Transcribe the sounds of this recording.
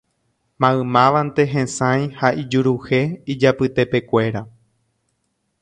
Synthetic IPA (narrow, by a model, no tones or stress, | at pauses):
mãɨ̃mãʋant̪e̞ɦẽsãj̃haʔid͡ʒuɾuhe̞id͡ʒapɨt̪e̞pe̞kʷe̞ɾa